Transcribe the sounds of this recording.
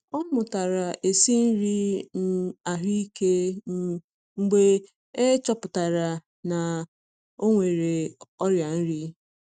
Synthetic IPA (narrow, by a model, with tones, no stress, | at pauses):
ɔ˦mʊ˨ta˨ɾa˨ʔe˨si˦n̩˦ɾi˦n̩˦˨a˨ɦi˦i˦ke˦ | ŋ͡m̩˨ɡ͡be˦ | e˦t͡ʃɔ˦pʊ˨ta˨ɾa˨ | na˨ | o˦ŋʷe˨ɾe˨ɔ˦ɾja˨n̩˦ɾi˦